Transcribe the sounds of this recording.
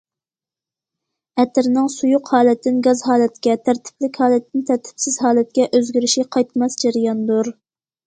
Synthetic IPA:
ɛt̪ʰɪɾnɪŋsujʊqhɑːlɛt̪ʰːɪnɡɑzɦɑːlɛt̪kʲɛt̪ʰæɾt̪ʰɪ̥plɪkʲhɑːlɛt̪ːɪnt̪ʰæɾt̪ʰɪ̥psɪz̥ɦɑːlɛt̪̚kʲɛʔøzɡʲyɾɪʃiqʰɑjt̪mɑsd͡ʒæɾɪjɑnd̪uɾ

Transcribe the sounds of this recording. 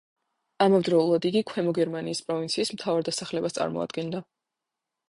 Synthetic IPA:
amavd̪ɾɔulˠad̪iɡikʰwɛmɔɡɛɾmaniːspʼɾɔvint̪sʰiːsm̩t̪ʰavaɾd̪asaχlɛbast̪sʼa̰ɾmɔ̰a̰d̪̥ɡɛnd̪a

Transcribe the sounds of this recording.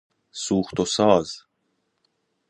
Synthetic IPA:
suːχt̪osɑːz̥

